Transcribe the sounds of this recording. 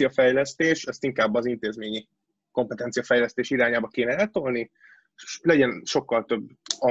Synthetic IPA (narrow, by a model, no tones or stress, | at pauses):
iɒfɛjlɛst̪eːʃɛst̪iŋkaːbːɒzint̪eːzmeːɲi | ko̞mpɛt̪ɛnt̪sijɒfɛjlɛst̪eːʃiɾaːɲaːbɒkeːnɛɛlt̪olni | ʃlɛɟɛnʃo̞kːɒlt̪ø̞bːɒ